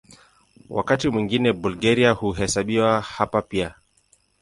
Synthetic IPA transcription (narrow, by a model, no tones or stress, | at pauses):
wa̰katimwiŋɡinɛbulɡaɾiahuɦɛsaɓiwahapapia